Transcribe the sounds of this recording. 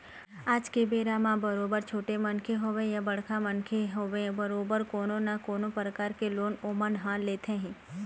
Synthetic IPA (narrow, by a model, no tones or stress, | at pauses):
aːd͡ʒkebeːɾamãbɐɾoːbəɾt͡ʃʰoːʈemɐnkʰeɦoːʋẽjabɐɽ̤kʰamɐnkʰeɦoʋẽbəɾoːbəɾkoːnõnakoːnõpɾəkaːɾkeloːnoːmənɦãːleːt̪ʰẽɦɛ̃ː